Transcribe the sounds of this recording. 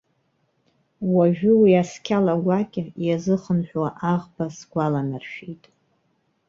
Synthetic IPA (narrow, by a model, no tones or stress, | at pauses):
waʒᶣʊwiaskʲʰalaɡʷakʲʼɪjazɨχənħᶣwaʔaʁbasɡʷalanarʃᶣitʼ